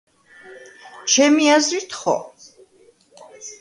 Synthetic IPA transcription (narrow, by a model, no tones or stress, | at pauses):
t͡ʃʰɛmiazɾit̪ʰχɔ̰